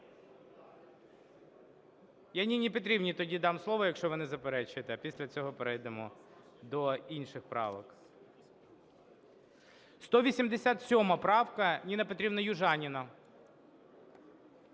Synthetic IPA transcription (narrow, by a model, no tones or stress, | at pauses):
janʲinʲipɔt̪̬ɾʲibnʲit̪ɔdʲid̪ɑmslˠɔʋɔjɐkʃt͡ʃɔʋɔnɪzɐpeɾɛt͡ʃɪt̪ɛɐpʲisʲlʲɐt͡sʲɔɦɔpeɾɛjd̪ɛmɔ | d̪ɔinʃɪxpɾɑ̰ʋɔk | st̪ɔʋʲisʲimd̪esʲat̪sʲɔmɐpɾɑwkɐnʲinɐpɔt̪ɾʲibnɐjʊʒɑnʲinɐ